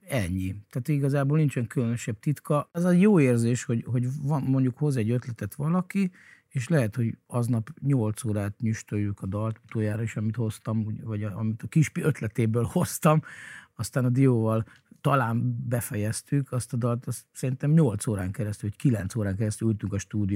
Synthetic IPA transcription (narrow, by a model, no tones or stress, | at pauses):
ɛɲːit̪aːt̪hiɡɒzaːboːlnint͡ʃɛŋkylønø̞ʃɛbt̪it̪kɒɛzɛjoːeːrzeːʃho̞ɟho̞ɟvɒnmo̞ɲɟukho̞zɛɟːø̞t̪lɛt̪ɛt̪ʋɒlɒki | eːʃlɛɦɛt̪ho̞ɟɒznɒpɲo̞lt̪soːɾaːt̪ɲyʃt̪øjːykɒd̪ɒlt̪u̥t̪oːjaːɾɒiʃɒmit̪ho̞st̪ɒmuvɒɟɒ̰mit̪ɒkiʃpiøt̪lɛt̪eːbøːlho̞st̪ɒmɒst̪aːnɒd̪ijoːvɒl | t̪ɒlaːnbɛfɛjɛst̪ykʰɒst̪ɒd̪ɒlt̪ɒst̪sɛɾint̪ɛmɲo̞lt̪soːɾaːŋkɛɾɛst̪ylockilɛnt̪soːɾaːŋkɛɾɛst̪ylylt̪yŋkɒʃt̪uːd̪io